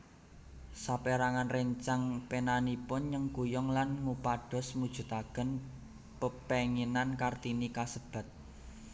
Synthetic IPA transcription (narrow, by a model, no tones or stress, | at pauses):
sapeɾaŋanreɲt͡ʃaŋpenanipʊnɲəŋkujɔŋlanŋupaɖ̥ɔ̤smud̥ʒ̥ṳt̪aɡ̥ən | pəpeŋinankart̪inikasəb̥a̤t̪̚